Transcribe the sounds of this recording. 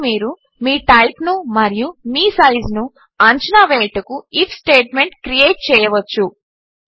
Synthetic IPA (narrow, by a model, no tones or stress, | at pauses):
miːɾu | miːʈɐjknumɐɾijumiːsɐjznu | ɐɲt͡ʃinaːʋeːʈɐkuipʰsʈeːʈme̞ɳʈkɾijeːʈ̚t͡ʃɛːjɐʋɐt͡ʃːu